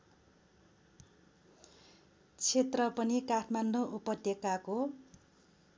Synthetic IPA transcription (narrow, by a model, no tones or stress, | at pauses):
t͡sʰet̪rʌpʌnikaʈʰmanɖoʔupʌt̪jʌkako